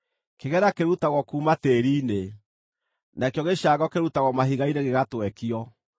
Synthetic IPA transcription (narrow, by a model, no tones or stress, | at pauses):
keɣɛɾakeɾutaɣɔkuːmateɾiːne | nakjɔɣeʃaɣɔkeɾutaɣɔmaɦiɣaineɣeɣatwɛkiɔ